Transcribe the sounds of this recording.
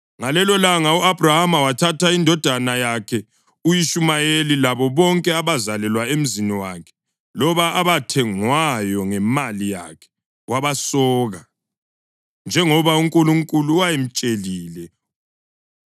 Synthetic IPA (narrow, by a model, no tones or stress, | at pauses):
ŋalɛlɔlaŋauab̥ʱrahamawatʰatʰaindʱɔd̥ʱanajakʰɛ | ujiʃumajelilaβɔβɔŋkʼɛaβazalɛlwaem̩ziniwa̰kʰɛ̥ | lɔβaːβatʰɛŋwajɔŋɛmalija̰kʰɛ̥ | waβasɔːɣa | nd͡ʒʱɛŋɔβauŋkʼuluŋkʼuluwajem̩t͡ʃʼeliːlɛ